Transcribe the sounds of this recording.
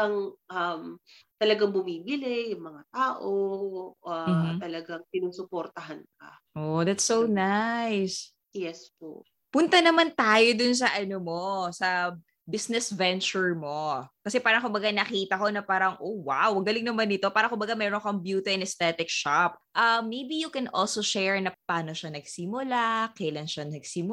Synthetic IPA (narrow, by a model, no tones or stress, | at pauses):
ɐŋʔɐmt̪ɐlɐɡaŋbʊmiːbɪlɪjʊŋmɐŋat̪aːʔoʔam̩t̪ɐlɐɡaŋsɪnuːsʊpoɾt̪ɐɦank̚ɐ̰ | ʔod̪ɐt̪sːonajs | jɛspo̰ʔ | pʊnt̪ɐnɐmant̪aːjo̞d̪ʊns̬ɐʔɐnomo̞sɐ | bisnɛsvɛnt͡ʃʊɹmo̞kɐsɛpaːɾɐŋkʊmbɐɡanɐkiːt̪ɐko̞nɐpaːɾɐŋʔowa̰wɐɡɐlɪŋnɐmanːɪt̪o̞paːɾɐkʊmbɐɡamɛːɾoŋkɐŋbjuːt̪ɐɛnɛst̪ɛt̪ɪkʃap̚ | ʔɐmːejbijʊkɛnʔo̰lsoʃɛɹnɐpaːno̞ʃanɐɡsimʊlakɐlɐnʃɐnɐɡsimʊ